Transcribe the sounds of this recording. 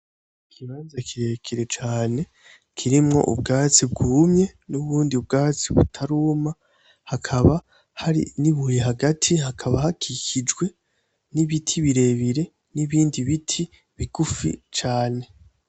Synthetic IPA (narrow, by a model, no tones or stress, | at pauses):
kʰiβaːnzakʰiɾekʰiɾe̞t͡ʃaːne̞ | kʰiɾimŋo̞̰ʔṵb̚ɡaːt͡sib̚ɡuːmɲe̞nuβuːndiub̚ɡaːt͡siβutʰaɾuːma | hakʰaβa | haɾḭniβujiɦaɡatʰihakʰaβahakʰicid͡ʒɡwe̞ | niβitʰiβiɾe̞ːβiɾe̞ | niβiːndiβitʰi | βiɡ̥ufḭt͡ʃaːne̞